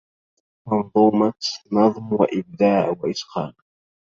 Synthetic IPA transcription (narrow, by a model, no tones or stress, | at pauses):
mɑnðˤuːmɑt̪nɑðˤmwa̰ʔɪb̚d̪aːʕwaʔɪsqɑ̰ːn